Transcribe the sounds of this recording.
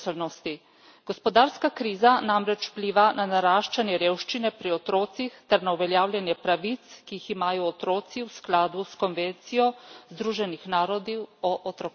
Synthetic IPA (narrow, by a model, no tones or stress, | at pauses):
lnɔst̪i | ɡ̥ɔspɔd̪aːɾskakɾiːzanamɾɛt͡ʃpliːʋananaɾaːʃt͡ʃanjɛɾeːwʃt͡ʃinɛpɾiɔt̪ɾoːt̪sixt̪ɛɾnauʋɛljaːwlʲjɛnjɛpɾaʋit̪skiiximaːjɔːt̪ɾoːt̪siwsklaːd̪uskɔnʋent̪sijɔzd̪ɾuːʒɛnixnaːɾɔd̪iɔʔɔt̪ɾɔ